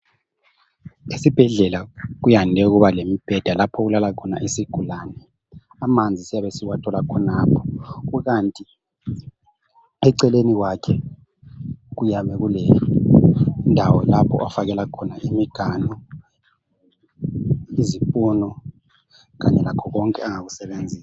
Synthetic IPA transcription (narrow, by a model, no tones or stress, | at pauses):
esib̥ʱɛɮɛlaɣ̬ujandʱɛuɣuβalemib̥ʱɛd̥ʱalapʰɔɣulalakʰɔna̰ʔisiɡ̥ʱulanɛ | amand͡zʱisijaβesiwatʰɔlakʰɔnaːpʰɔ̥kuɣantʼi | ɛǀɛleniwakʰɛ | ɣujaβɛɣulɛ | ndʱawɔlapʰɔ̰ʔafaɣɛlakʰɔnaʔimiɡ̥ʱanɔ | izipʼunɔ | ɣa̰ɲɛlakʰɔɣɔŋkʼɛaŋaɣusɛβend͡zʱiːsa